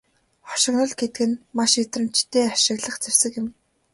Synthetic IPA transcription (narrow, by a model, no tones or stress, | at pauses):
χɔ̥ʃɪ̆ɣnɞ̆ɮɡet̪ɘ̆ɡɘ̆nmaʃet̪rɘ̆mt͡ɕt̪ʰeːaʃɪ̆ɣɮə̆χt͡sewsɘ̆kɪ̆m